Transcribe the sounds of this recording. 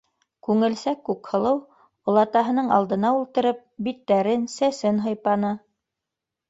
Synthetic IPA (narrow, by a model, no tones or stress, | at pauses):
kʉŋɘ̆lsækːʉkhɤ̆lˠɤw | ŏlˠɑt̪ɑɦɤ̆nɤɴɑ̰lˠd̪ɤ̆nɑulˠt̪ɤ̆ɾɤp̚bit̪ːæɾɘnsæsɘnɦɤ̆jpɑnɤ